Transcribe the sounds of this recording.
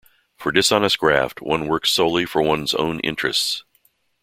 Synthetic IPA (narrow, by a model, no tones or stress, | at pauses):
fə˞dɨsɑnəst̚ɡ̥ɹæ̰ft̚wʌ̰̃nwɜ˞ksoʊlˠifə˞wʌ̃nzõ̰ʊ̃nʔɪ̰̃nt͡ʃɹ̥ɨ̰sts